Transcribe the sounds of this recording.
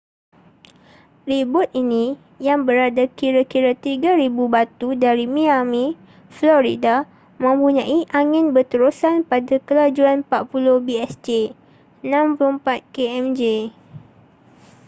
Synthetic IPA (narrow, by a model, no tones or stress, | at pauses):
ribʊt̪̚ʔinĩ | jaŋbəɾadakiɾakiɾat̪iɡaɾibubat̪udaɾimĩamĩ | flɔɾida | mə̃mpuɲãʔiʔaŋɪ̃nbərt̪əɾusanpadakəlad͡ʒuanpapulʊhbiɛsd͡ʒe | ənãmplompat̪̚keɛmd͡ʒe